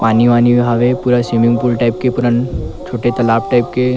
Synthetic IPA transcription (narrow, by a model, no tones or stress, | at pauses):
paːniʋaːniʋɦaːʋepuːɾasimɪ̃ŋɡpulʈaɪp̚kepʊɾə̃nt͡ʃʰoːʈet̪ɐlaːpʈaɪp̚ke